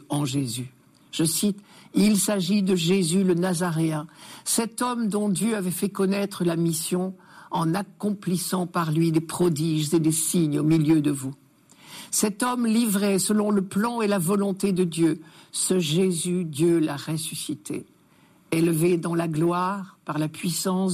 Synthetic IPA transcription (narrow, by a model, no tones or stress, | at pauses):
ɑ̃ʒezy | ʒ̥əsit̪ilsaʒid̪əʒezylənazaʁeɛ̃sɛt̪ɔmd̪ɔ̃d̪jøavɛfɛkɔnɛt̪χəlamisjɔ̃ɑ̃nakɔ̃plisɑ̃paʁlɥid̪epχɔd̪iʒzed̪esiɲomiljød̪əvu | sɛt̪ɔmlivʁɛsəlɔ̃ləplɑ̃elavɔlɔ̃t̪ed̪əd̪jøsəʒezyd̪jølaʁesysit̪ʰḛ | elved̪ɑ̃laɡlwaʁpaʁlapɥisɑ̃s